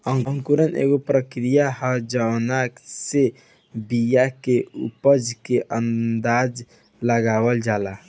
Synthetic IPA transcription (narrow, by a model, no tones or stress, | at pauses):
əŋŋkuɾənḛɡopɾəkɾijahəd͡ʒanakse | bijakeṵpəd͡ʒkeʔənd̪ad͡ʒ | ləɡabəld͡ʒala